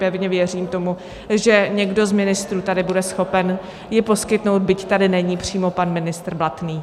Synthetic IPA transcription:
pɛvɲɛvjɛr̝iːmt̪o̞mu | ʒɛɲɛɡdo̞zmɪnɪst̪ɾuːt̪adɪbudɛsxo̞pɛn | jɪpo̞skɪt̪no̞wd̪̚bɪct̪adɪnɛɲiːpr̝̥iːmo̞panmɪnɪst̪r̩blat̪niː

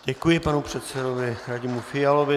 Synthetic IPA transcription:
ɟɛkujɪpanupr̝̥ɛt̪sɛdovɪɾaɟɪmufɪalovɪ

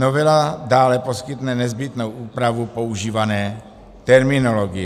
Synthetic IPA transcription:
novɛladaːlɛpo̞skɪt̪nɛnɛzbɪt̪no̞wʔuːpɾavupo̞uʒiːvanɛː | t̪ɛɾmɪno̞loɡɪ

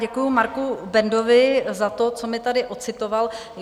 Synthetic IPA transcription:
ɛkujʊmaɾkubɛndo̞vɪzat̪o̞t͡somɪt̪adɪʔot͡sɪt̪oval

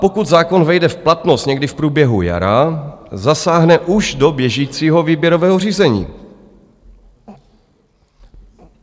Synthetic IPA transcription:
pokut̪zaːko̞nvɛjdɛfplat̪nost̪ɲɛɡdɪfpɾuːbjɛɦuja̰ɾazasaːɦnɛʔuʒdo̞bjɛʒiːt͡siːɦo̞viːbjɛɾovɛːɦor̝iːzɛɲḭː

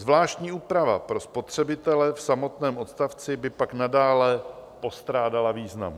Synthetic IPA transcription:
zvlaːʃt̪ɲiːuːpɾava̰pɾo̞spo̞t̪r̝̥ɛbɪt̪ɛlɛfsamo̞t̪nɛːmʔo̞t̪st̪aft͡sɪbɪpaknadaːlɛpo̞st̪ɾaːdalaviːzna̰m

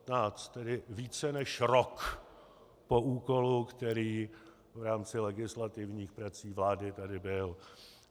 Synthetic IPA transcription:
t̪naːt͡st̪ːɛdɪviːt͡sɛnɛʃɾok | pouːko̞lukt̪ɛɾiː | vɾaːmt͡sɪlɛɡɪslat̪ɪvɲiːxpɾat͡siːvlaːdɪt̪adɪbɪl

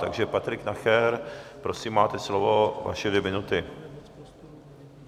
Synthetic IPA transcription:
t̪a̰ɡʒɛpat̪ɾɪknaxɛɾpɾo̞siːmːaːt̪ɛslovo̞va̰ʃɛvjɛmɪnut̪ɪ

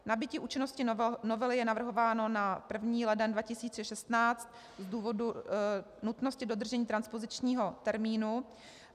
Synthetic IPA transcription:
nabɪciːʔuːt͡ʃɪnoscɪno̞vɛlɪjɛnavr̩ɦo̞vaːno̞napr̩vɲiːlɛdɛndvacɪsiːt͡sɛʃɛst̪naːt͡st̪̚ | zduːvo̞du | nut̪no̞scɪdo̞d̪r̩ʒɛɲiːt̪ɾanspo̞zɪt͡ʃɲiːɦo̞t̪ɛɾmiːnu

